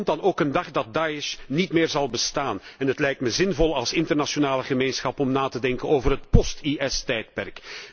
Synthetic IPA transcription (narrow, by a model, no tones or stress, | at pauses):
ndɑnoːkəndɑχdɑt̚daːɪʃnitmɪːrzɑlˠbəstaːnɛnɦətlɛjk̚tməzɪnvɔlˠɑlˠsɪntərnaʃonaːləχəmeːnsxɑpɔmnaːtədɛŋkənoːvərɦət̚pɔstiʔɛstɛjt̚pɛrk